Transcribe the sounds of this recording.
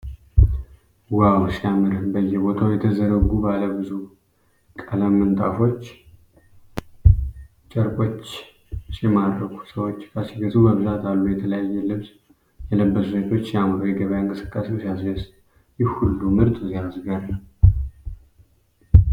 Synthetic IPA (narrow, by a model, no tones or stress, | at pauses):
wawsijamɨɾɨmbəjːɛbo̞t̪ʰawjɛt̪ʰəzəɾəɡubaləbɨzu | kʼələmːɨnt̪ʼafo̞t͡ʃː | t͡ʃʼəɾkʼo̞t͡ʃː | sjɛmaɾɾəkʰu̥səwo̞t͡ʃːkʰasiɡəzuməβzat̪ʰalːujɛt̪ʰələjajːɛlɨβs | jɛləbːəsset̪ʰo̞t͡ʃːjamɾojɛɡəβəjɨŋkʼɨsɨ̥kʼːasewsjasews | jɛhulːumɨɾt̪ʼzijasɡaɾə